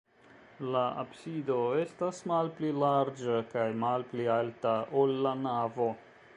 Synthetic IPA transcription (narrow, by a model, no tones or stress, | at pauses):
laa̰bsido̞e̞stasmalplilaɾd͡ʒakajmalplialtaʔolːanavo̞